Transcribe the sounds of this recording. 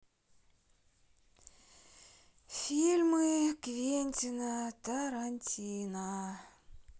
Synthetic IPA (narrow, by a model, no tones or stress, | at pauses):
fʲilʲmɨkvʲenʲt̪ʲinat̪aɾanʲtʲina